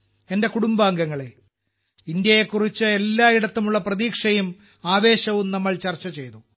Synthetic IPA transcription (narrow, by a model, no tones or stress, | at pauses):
ende̞kuɽumbaːŋɡɐŋːɐɭe | ind̪jɐje̞kːurit͡ɕːɨe̞lːaːiɽɐt̪ːumuɭːɐprɐðiːkʂɐjum | aːʋe̞ːɕɐʋumnɐmːɐɭt͡ɕɐrt͡ɕːɐt͡ɕe̞jt̪u